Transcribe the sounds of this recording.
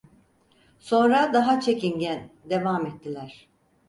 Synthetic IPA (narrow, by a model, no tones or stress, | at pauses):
so̞nɾad̪aɦat͡ʃʰe̞cinɟænd̪e̞vaːmɛt̪ʰːilʲæɾ̥